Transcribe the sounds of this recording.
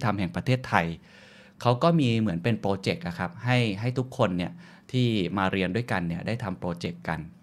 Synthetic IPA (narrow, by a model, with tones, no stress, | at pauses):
t̪ʰa˧mɦɛ˨˩ŋpɾa˧t̪ʰeː˥˩t̪ʰːa˧j | kʰa˦˥wkɔː˥˩miː˧mɯ˩˦ənpe˧npɾoː˧t͡ɕe˨˩k̚ʔa˨˩kʰa˦˥p̚ha˥˩jɦa˥˩jt̪ʰu˦˥kʰːo˧nːi˥˩ɐ | t̪ʰiː˥˩maː˧ɾi˧əndu˥˩jka˧nːi˥˩ɐdaː˥˩jt̪ʰa˧mpɾoː˧t͡ɕe˨˩kːa̰˧n